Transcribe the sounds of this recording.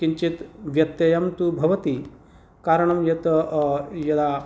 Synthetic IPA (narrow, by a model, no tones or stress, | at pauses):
kiɲt͡ʃit̪ʋjɐt̪jɐjɐmt̪ubʱɐʋɐt̪i | kaːɾɐɳ̃ɐmjet̪ | jɐd̪a